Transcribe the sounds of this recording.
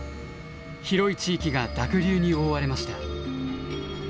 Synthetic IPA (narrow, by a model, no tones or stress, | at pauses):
çiɾo̞it͡ɕiːkʲiɡad̪akɯ̟ɾʲɨːɲ̟ioːβaɾe̞maɕi̥t̪a